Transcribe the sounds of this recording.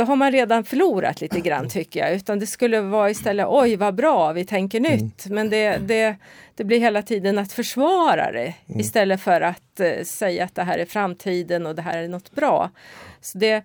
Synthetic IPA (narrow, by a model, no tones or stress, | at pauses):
sɔɦaɾmanɾeːd̪anfœɭuːɾa̰t̪liːt̪əɡɾa̰nːt̪ʰʏkːəja̰ʉ̟ːt̪and̪ɛskɵlːəvɑːɪst̪ɛlːəʔɔjvabɾɑːvɪt̪ʰɛŋkəɳʏt̪ːmɛnd̪ɛd̪ɛd̪̥ɛblɪɾɦeːlat̪ʰiːd̪ənat̪fœʂvɑːɾa̰d̪ɛ̰ɪst̪ɛlːəfœɾat̪sɛjːaːt̪̚d̪ɛɦæːɾæɾfɾamːt̪ʰiːd̪ənɔd̪ɛɦæ̰ːɾæɳɔt̪ːbɾɑ̰ːsɔd̪ɛ